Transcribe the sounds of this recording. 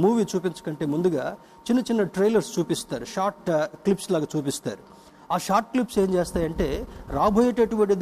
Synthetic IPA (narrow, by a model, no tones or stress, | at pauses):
muːʋiːt͡ʃuːpiɲt͡ʃɐ̥kɐɳʈe̞ːmund̪uɡaː | t͡ʃinːɐt͡ʃinːɐʈɾejlɐɾst͡ʃuːpist̪aːɾuʃaːɾʈklipslaːɡaːt͡ʃuːp̬ist̪a̰ːɾu | aːʃaːɾʈ̚klipseːmt͡ʃeːst̪aːjɐɳʈe̞ːɾaːbʱoːjɐʈeʈuʋɐɳʈid̪